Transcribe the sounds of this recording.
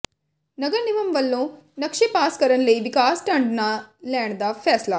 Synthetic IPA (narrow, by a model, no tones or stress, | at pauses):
nɐɡɐɾniʋɐmʋɐlːunɐkʂepaːskɐɾɐnleʋikaːsʈɐɳɖnɐleːɳɖd̪ɐpʰeːslɐ